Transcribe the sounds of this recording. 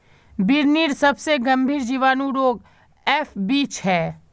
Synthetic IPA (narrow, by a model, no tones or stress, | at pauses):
bɪɾniːɾsɐbseɡɐ̃mbʱiːɾd͡ʒiːʋaːnũɾoːɡ | ɛːfbiːt͡ʃɦɛː